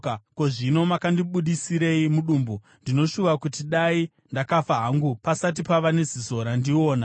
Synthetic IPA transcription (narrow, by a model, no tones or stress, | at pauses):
ako̞ʐino̞makandiɓuɗisiɾe̞imuɗuːmbu | ndino̞ʃuʋakutiɗai | ndakafaɦaŋɡupasat̬ipaʋane̞zizo̞ɾandio̞ːna